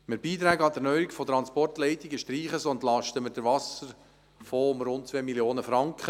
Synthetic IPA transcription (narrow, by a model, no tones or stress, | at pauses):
mɪɾbiːt̪ɾæːɡəɑd̪əɾnœjikfɔt̪ɾɑnspɔrtlɛɪtɪɡəʃtɾiːχəsɔntlɑʃtəmɪɾd̥əɾʋɑsəɾ | fɔʊmɾʊnt̚t͡sʋeːmiljoːnəfɾɑŋkχə